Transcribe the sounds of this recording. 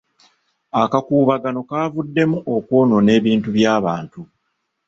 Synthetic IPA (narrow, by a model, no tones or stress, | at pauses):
akakuːβaɡano̞kaːvudːe̞muʔoko̞ːno̞ne̞ːβiːntuβjaːβaːntu